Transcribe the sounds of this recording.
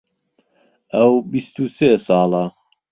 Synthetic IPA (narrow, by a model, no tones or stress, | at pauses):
ɐwbist̪useːsɑːlɑ